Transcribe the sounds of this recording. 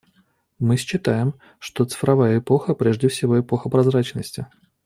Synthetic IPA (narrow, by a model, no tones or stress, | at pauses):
mɨsʲt͡ɕːɪt̪ajɪm | ʂt̪o̞t̪sɨ̥fɾɐvajəɪpoxəpɾʲeʐdʲɪfsʲɪvo̞ɪpo̞xəpɾɐzɾat͡ɕnəsʲtʲɪ